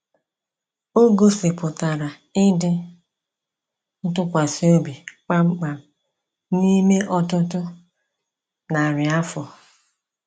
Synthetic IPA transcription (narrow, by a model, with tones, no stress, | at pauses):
o˦ɡo˦sɪ˨pʊ˨ta˨ɾa˨ | ɪ˦dɪ˦ | n̩˦tʊ˦kʷa˨si˦o˦bi˨k͡pa˦ɡ͡ba˨ | ni˦me˦ʔɔ˦tʊ˦tʊ˦ | na˨ɾɪ˨a˦fɔ˨